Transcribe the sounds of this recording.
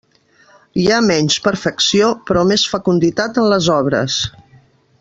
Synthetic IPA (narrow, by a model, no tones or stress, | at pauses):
iamɛɲspəɾfəksiopɾɔmesfəkund̪it̪at̪ənləzɔβ̞ɾə̰s